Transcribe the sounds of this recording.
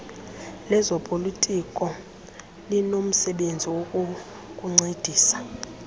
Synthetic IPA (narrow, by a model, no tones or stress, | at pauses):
lɛzɔpʼolitʼikʼɔ | linom̩sɛɓend͡zʱiwokʼu | kʼuŋ͡ǀed̥ʱiːsḁ